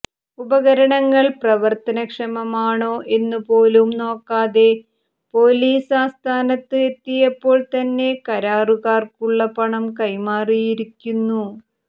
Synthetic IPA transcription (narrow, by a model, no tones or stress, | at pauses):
ubɐɣɐɾɐɳɐŋːɐɭprɐʋɐrt̪ɐnɐkʂɐmɐmaːɳoːʔe̞nːɨpoːlumno̞ːkːaːðe̞ | po̞ːliːsaːst̪ʰaːnɐt̪ːɨe̞t̪ːijɐpːo̞ːɭt̪ɐnːe̞kɐɾaːruɣaːrkuɭːɐpɐɳɐmkɐjmaːrijiɾikʲːunːu